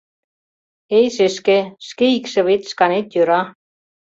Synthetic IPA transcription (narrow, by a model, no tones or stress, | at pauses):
ejʃeʃkeʃkeikʃĕβet̪ʃkɑnet̪jøɾɑ